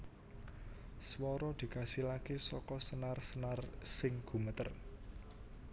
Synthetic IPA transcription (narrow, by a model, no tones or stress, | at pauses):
swɔɾɔd̪̥i̤kasilakesɔkɔsənarsənarsɪŋɡ̥ṳmət̪ə̰r